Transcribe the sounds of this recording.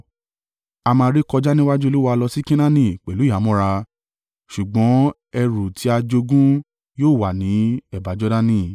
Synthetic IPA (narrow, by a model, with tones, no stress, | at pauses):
a˧mãː˧ɾi˦kɔ˧d͡ʒa˦nĩ˦wa˦d͡ʒu˦e˧lu˦wa˦˧lɔ˧si˦kĩ˦nã˦nĩ˦˨k͡pɛ˨lu˨˦a˨˦mɔ̃˦ɾa˧ | ʃu˨ɡ͡bɔ̃˨˦ | ɛ˧ɾu˨tʰi˨˦a˧d͡ʒo˧ɡũ˦ | joː˦˨wa˨nĩ˨˦ɛ˦˨ba˨˦d͡ʒɔ˦da˦nĩ˦